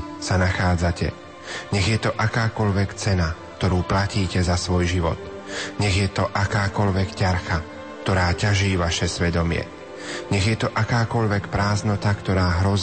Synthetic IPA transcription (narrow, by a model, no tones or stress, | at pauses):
sanaxaːd͡zacɛ̰ | ɲɛɣjɛt̪ɔʔakaːkɔʎʋɛkt͡sɛnakt̪ɔɾuːplaciːcɛzasʋɔjʒiʋɔ̰t̪ | ɲɛɣjɛt̪ɔʔakaːkɔʎʋɛkcaɾxa | k̚t̪ɔɾaːcaʒiːʋaʃɛsʋɛd̪ɔmɪɛ̰ | ɲɛɣjɛt̪ɔʔakaːkɔʎʋɛkpɾaːznɔt̪akt̪ɔɾaːɦɾɔz